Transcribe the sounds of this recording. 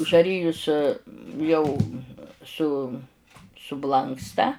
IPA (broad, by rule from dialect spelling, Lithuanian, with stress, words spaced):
ʒɐˈrʲɪjʊs ˈjɛʊ sʊ sʊˈblˠɐŋkstɐ